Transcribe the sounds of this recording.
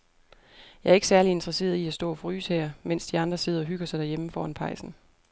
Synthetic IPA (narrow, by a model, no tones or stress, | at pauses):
jɑ̈æɐe̝ɡ̥əsæɐlie̝nd̥ʁɐse̝̰ːɐð̩ˠiæsd̥ɔ̰̽ːfʁy̰ːshɛɐ̰men̰sd̥iɑ̈nd̥ʁɐse̝ðˠɐɒ̽ɦyɡ̥ɐsɑ̈ɪd̥æɐjeməfɒːænpʰɑ̈ɪsn̩